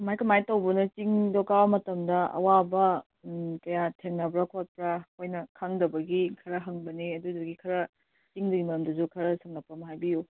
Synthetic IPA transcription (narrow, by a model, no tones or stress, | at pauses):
majkɐmajtɐwbɐnɐt͡ʃiŋdokabɐmɐtɐmdɐɐ̰wabɐ | kɐjatʰeŋnɐbɾɐkʰot̚pɾɐkʰojnɐkʰaŋdɐbɐɡikʰɐɾɐɦɐŋbɐniɐdudɐɡikʰɐɾɐ | t͡ʃiŋdɐɡimɐɾɐmdɐzukʰɐɾɐsɐŋnɐpːɐmɐɦajbiju